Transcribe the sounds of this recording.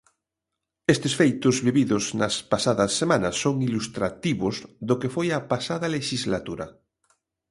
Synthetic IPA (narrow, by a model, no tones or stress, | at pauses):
est̪esfejt̪ozβiβiðoznɐspasaðɐsːemãnɐsːoŋilust̪ɾat̪iβozðokefojapasaðɐleʃizlat̪uɾa̰